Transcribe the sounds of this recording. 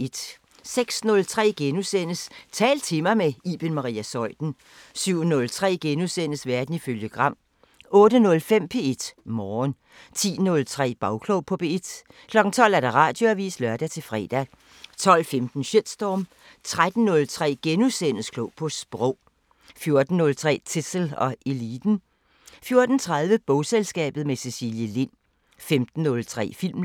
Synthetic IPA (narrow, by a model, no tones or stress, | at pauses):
ed̥ | seɡ̥snɔ̽lt͡sʰʁɛ̰ːɡ̥enusen̰əst͡sʰɛ̰ːlt͡sʰe̝mɐmeiːb̥enmɑ̈ʁḭːæsɒ̽ɪ̰d̥n̩ | syʊ̰nɔ̽lt͡sʰʁɛ̰ːɡ̥enusen̰əsʋæɐd̥n̩iføljəɡ̥ʁɑ̈m̰ | ɔ̽ːdənɔ̽lfem̰pʰe̝e̝d̥mɒːn | t͡sʰḭːnɔ̽lt͡sʰʁɛ̰ːb̥ɑ̈ʊkʰloʊpʰɔ̽b̥eed̥ | kʰlɒ̽ɡ̥ŋ̩t͡sʰɒ̽l̰æɐd̥ɑ̈ʁɑ̰̈ːd̥joæʋḭːslɶɐd̥æt͡sʰe̝lfʁɛ̰ːd̥æ | t͡sʰɒ̽l̰femd̥n̩ɕed̥sd̥ɒːm | t͡sʰʁad̥n̩ːɔ̽lt͡sʰʁɛ̰ːɡ̥enusen̰əskʰlɔʊpʰɒ̽sb̥ʁɔʊ̰ | fjo̝ɐd̥n̩ːɔ̽lt͡sʰʁɛ̰ːt͡sʰisl̩ɒ̽ʔe̝liːd̥n̩ | fjo̝ɐd̥n̩t͡sʰʁað̞ˠʋəb̥ɔʊselsɡ̥ɛ̰ːb̥ð̩ˠmesesḭljəlen̰ | femd̥n̩ːɔ̽lt͡sʰʁɛ̰ːfil̰m